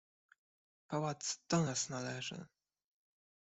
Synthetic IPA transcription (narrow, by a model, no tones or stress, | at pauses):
pawat̪sd̪̥ɔnasnalɛʐɘ̰